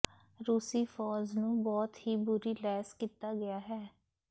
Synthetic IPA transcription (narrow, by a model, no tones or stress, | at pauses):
ɾuːsiːfʰɔːznũːbɔːt̪hiːbʊɾiːlɛːskiːt̪aːɡɪjaːɦɛː